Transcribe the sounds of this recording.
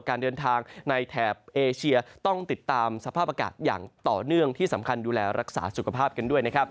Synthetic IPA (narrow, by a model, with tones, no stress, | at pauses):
kaː˧ndɤː˧nt̪ʰaː˧ŋna˧jt̪ʰɛː˨˩p̚ʔeː˧t͡ɕʰi˧ɐt̪ɔ˥˩ŋt̪i˨˩t̪ːaː˧msa˧pʰaː˥˩p̚aː˧ka̰ː˨˩t̪̚ja̰ː˨˩ŋt̪ɔː˨˩nɯ˥˩əŋt̪ʰiː˥˩sa˩˦mkʰa˧nduː˧lɛː˧ɾʔa˦˥k̚sa̰ː˩˦su˨˩kʰa˧pʰaː˥˩p̚ka˧ndu˥˩əjna˦˥kʰa˦˥p̚